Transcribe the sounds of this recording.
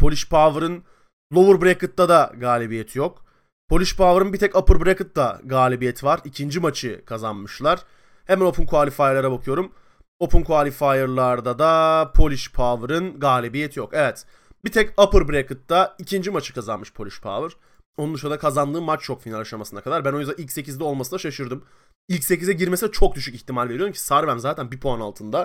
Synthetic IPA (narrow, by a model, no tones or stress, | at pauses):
pʰo̞lʲiʃpʰaːvɯɾɯn | lˠo̞vuɾbɾekɯt̪ːad̪aɡaːlʲibijɛt̪ʰijok | pʰo̞lʲiʃpʰaːvɯɾɯnbit̪ʰɛcapɯɾbɾekɯt̪̚d̪aɡaːlʲibijɛt̪ʰivaɾicʰind͡ʒimat͡ʃʰɯkʰazanmɯʃlˠaɾ̥ | hɛmæno̞pʰunkʰuaːlʲifaːjɯɾlˠaɾabakʰɯjo̞ɾum | o̞pʰunkʰoalʲifaːjɯɾlˠaɾd̪ad̪apʰo̞lʲiʃpʰaːvɯɾɯnɡaːlʲebijɛt̪ʰijo̞kɛvɛt̪ | bit̪ʰɛcapɯɾbɾekɯt̪ːaicʰind͡ʒimat͡ʃʰɯ̥kʰazanmɯʃpʰo̞lʲiʃpʰa̰vɯɾ̥ | onund̪uʃunɾd̪akʰazand̪ɯːmːat͡ʃt͡ʃʰo̞kfinalʲaʃamasɯnakʰad̪aɾbæno̞jzd̪ailʲcse̞cʰizd̪ʲɛo̞lˠmasɯnd̪aʃaʃɯɾd̪ɯm | ilʲcse̞cizɛɟiɾmesid̪ɛt͡ʃʰo̞k̚d̪yʃyciçt̪ʰimalʲve̞ɾijo̞ɾumcʰi̥saːɾbæmzaːt̪ʰænbipʰoanalˠt̪ʰɯnd̪a